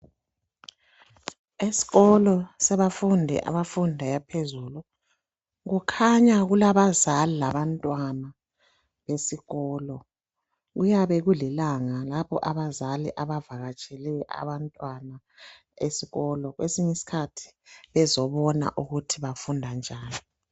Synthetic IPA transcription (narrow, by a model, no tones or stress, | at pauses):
esi̥ɣɔlɔsɛβafundʱɛ̰ʔa̰βafundʱajapʰezulu | ɣukʰaɲaɣulaβazalilaβantʼwana | βesiɣɔːlɔ | ɣujaβɛɣulilaŋalapɔ̰ʔaβazaliʔaβavaɣat͡ʃʼɛlɛʔa̰βantʼwana | esiɣɔlɔɣwesiɲisi̥kʰatʰi̥βɛzɔβɔna̰ʔuɣutʰiβafundʱand͡ʒʱaːni